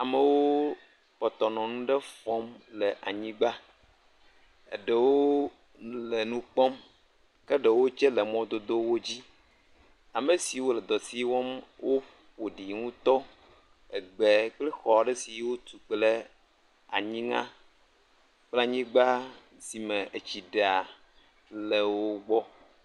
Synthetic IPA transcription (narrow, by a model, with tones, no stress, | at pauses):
a˨me˨wo˦ | ɸɔ˨t̪ɔ˨nɔ̃˨nũ˦ɖɛ˦fɔ˦mlɛ˨ʔa̰˨ɲĩ˦ɡ͡ba˦ | ḛ˨ɖe˨wo˦ | le˨nũ˦k͡pɔ˦m | ke˦ɖe˨wo˦t͡ʃɛ˦le˨mɔ̃˦d̪o˦d̪o˦wo˦d͡ʑi˦ | a˨me˨si˨wo˦lɛ˨d̪ɔ˨si˦wɔ˦mwʔo˦ | wo˨ɖi˨ŋũ˦t̪ɔ˦ | e˨ɡ͡be˨k͡ple˦xɔ˨a˨ɖe˦si˨˦wo˦t̪u˨k͡ple˦ | a̰˨ɲĩ˦ŋã̰˦ | k͡pla˦ɲĩ˦ɡ͡ba˦ | si˨mẽ˨e˨t͡ɕi˨ɖe˨a˨ | le˨wo˦ɡ͡bɔ˦